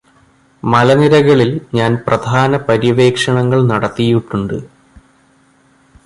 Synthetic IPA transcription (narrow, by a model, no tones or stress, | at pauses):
mɐlɐniɾɐɣɐɭilɲaːnprɐd̪ʱaːnɐpɐɾiʋe̞ːkʂɐɳɐŋːɐɭnɐɽɐt̪ːijuʈːuɳɖɨ